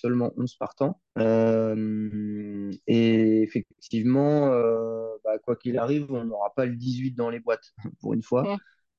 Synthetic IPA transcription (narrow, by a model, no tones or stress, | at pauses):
sœlmɑ̃ʔɔ̃z̥paʁt̪ɑ̃ | øm | eːfɛk̚t̪ʰivmɑ̃øbakwakʲilaʁivɔ̃noʁapaləd̪izɥit̪̚d̪ɑ̃lebwat̪pṵʁy̰nfwa